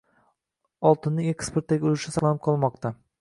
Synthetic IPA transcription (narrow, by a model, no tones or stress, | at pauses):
ɒlˠt̪ʰɪnːɪŋe̞kspeɾt̪ːaɡʲɪolɪʃɪsɑlˠanɪp̚qʰɒlˠmɒqt̪a